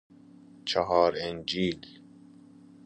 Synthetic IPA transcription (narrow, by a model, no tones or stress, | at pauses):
t͡ʃʰɑɦɑːɾend͡ʒiːl